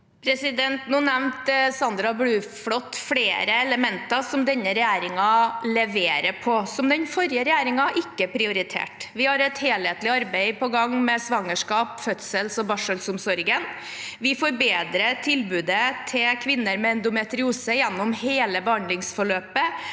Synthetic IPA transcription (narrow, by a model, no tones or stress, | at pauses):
pʰɾɛsɪd̪ɛnt̪nuːnɛʋnt̪sɑnd̪ɾɑblʉːfɽɔt̪ːfɽeːɾəɛləmɛnt̪ɑsɔmd̪ɛnːəɾɛjæːɾɪŋɑlɛʋeːɾəɾpʰɔsɔmd̪ɛnfɔɾjəɾɛjæːɾɪŋɑʔɪkːəpʰɾɪʊɾɪt̪ʰḛːʈʋɪhɑɾɛt̪heːlheːt̪lɪɑɾbɛɪpɔɡɑŋːmɛsʋɑŋːəʂkɑːpfœt̪səlsɔbɑʂəlsʊmsɔɾɡən | ʋɪfoːɾbeːd̪ɾət̪ʰɪlbʉːd̪ət̪ʰɪkʰʋɪnːəɾmɛɛnd̪ʊmɛt̪ɾɪuːsəjɛnːɔmheːləbɛhɑnd̪lɪŋsfɔɭøːpə